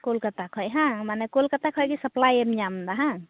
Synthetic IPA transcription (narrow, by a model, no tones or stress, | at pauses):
kolkət̪akʰɔjɦãmanɛkolkət̪akʰɔjkisəplajemɲamd̪aɦã